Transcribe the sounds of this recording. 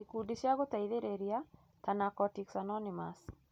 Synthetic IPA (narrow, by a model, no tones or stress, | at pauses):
ikudiʃjaɡot̪aiðeɾeɾja | t̪anakɔtiksanɔnɪmas